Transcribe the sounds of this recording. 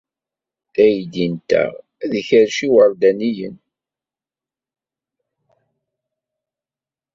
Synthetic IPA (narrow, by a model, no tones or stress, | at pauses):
æjd̪int̪æ̰ | æðəçəɾʃiwəɾˤd̪ænijə̰n